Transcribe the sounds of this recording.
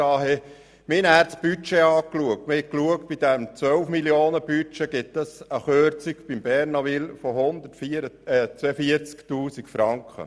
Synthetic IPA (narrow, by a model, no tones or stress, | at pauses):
ɑːɦe | mɪnhæːɾtsb̥yt͡ʃeɑːkluək̚tmɪhɛkluək̚t̚b̥idæmt͡sʋœlfmiljoːnəb̥yt͡ʃeɡ̥ɪtəsəχøɾt͡sikb̥imb̥ɛɾnɑʋilfɔhʊnd̪ətfit͡sɛfiəɾt͡sktuːsikfɾɑŋkχə̰